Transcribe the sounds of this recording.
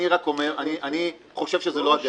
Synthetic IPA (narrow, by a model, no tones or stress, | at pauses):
iʁako̞me̞ʁaniʔani | χo̞ʃe̞vʃezeloaɡ